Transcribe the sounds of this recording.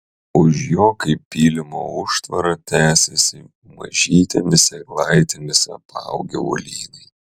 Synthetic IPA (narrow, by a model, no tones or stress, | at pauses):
ʊʃjoːkɐɪppːʲiːlʲɪmo̰ːʊʃt̪ʋɐɾɐt̪ʲæːsʲɛsʲɪ | mɐ̰ʒʲiːt̪ʲɛmʲɪsʲɛklˠɐɪt̪ʲɛmʲɪsʲɛpɑ̰ˑʊɡʲɛ̰o̰lʲiːnʲɛɪ